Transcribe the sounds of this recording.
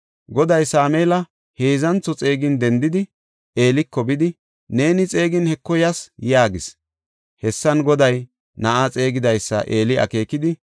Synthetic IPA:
ɡɔd̪ɐjsaːmeːlɐ | heːzɐnt͡sːɔt͡sʼe̞ːɡɪnd̪ɛnd̪ɪd̪ɪ | e̞ːlɪkːɔbɪd̪ɪ | ne̞ːnɪt͡sʼe̞ːɡɪnhɛkːɔjɐsjaːɡɪs | hɛsːɐnɡɔd̪ɐj | nɐʔat͡sʼe̞ːɡɪd̪ɐjsːɐ̰ʔe̞ːlɪɐ̰ke̞ːkːɪd̪ɪ

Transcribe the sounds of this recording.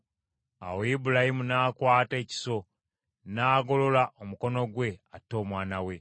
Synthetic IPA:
a̰woibulahimunaːkwaːte̞ːci̥so̞ | naːɡo̞lo̞laʔomuko̞no̞ɡwe̞atːo̞ːmwaːnawe̞

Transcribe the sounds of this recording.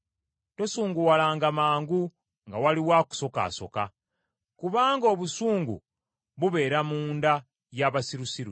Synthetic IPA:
to̞suːŋɡuwalaːŋɡamaːŋɡu | ŋɡawaliwaːku̥so̞ka̰ːso̞̰ka | kuβaːŋɡo̞ːβusuːŋɡṵ | βuβe̞ːɾamuːnda | jaβasiɾusiɾu

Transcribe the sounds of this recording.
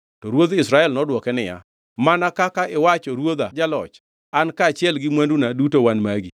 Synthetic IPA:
tɔɾwod̪ɪsɾaɛlnɔdwɔkɛnɪja̰ | manakakaʔɪwat͡ʃɔɾwod̪ad͡ʒalɔ̰t͡ʃ | ankaːt͡ʃɪɛlɡɪmwandunadutowanmaɡi

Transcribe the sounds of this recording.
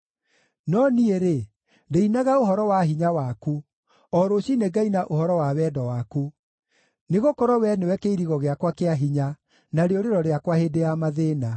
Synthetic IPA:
nɔnieɾe | ndeinaɣaoɦɔɾɔwaɦiɲawaku | ɔɾoɕineɡainaʔohɔɾɔwawɛːdɔwaku | neɣokɔɾɔwɛnewɛkeiɾiɣɔɣeakwakeaɦiɲa | naɾeoɾeɾɔɾeakwahedejamaðeːna

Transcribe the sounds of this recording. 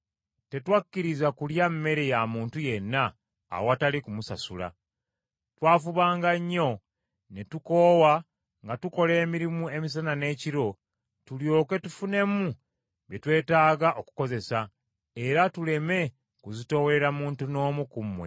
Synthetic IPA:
te̞twakːiɾizakuljamːe̞ɾe̞jamuːntuje̞nːa̰ː | watalikumusa̰sula̰ | twaːfuβaːŋɡaɲːo̞ | ne̞tuko̞ːwa | ŋɡatuko̞le̞ːmiɾimue̞mis̬anane̞ːciɾo̞ | tuljo̞ːke̞tufune̞mu | be̞twe̞ːtaːɡaʔo̞ku̥ko̞ze̞sa | e̞ɾatule̞me̞ | kuzito̞weeɾamuːntuno̞ːmukumwe̞̰

